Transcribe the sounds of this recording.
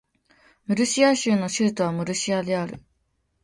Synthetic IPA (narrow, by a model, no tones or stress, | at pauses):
mɯ̟ɾɯ̟ɕiaɕɨːno̞ɕɨːt̪oβ̞amɯ̟ɾɯ̟ɕiad̪e̞aɾɯ̟̰